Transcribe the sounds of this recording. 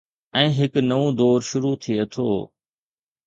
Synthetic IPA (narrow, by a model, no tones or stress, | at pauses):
ɛ̃ːɦɪknɐʋõd̪ɔːɾʃʊɾut̪ʰiet̪ʰo̰ː